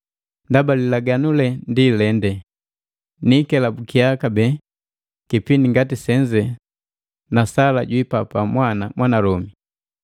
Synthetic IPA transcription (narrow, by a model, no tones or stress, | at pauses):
ndabalilaɡanulɛndilɛndɛ | nikɛlabukiakabɛ | kipindiŋɡatisɛɲd͡ʒɛ | nasalaɟwipapamwanamwanalɔmi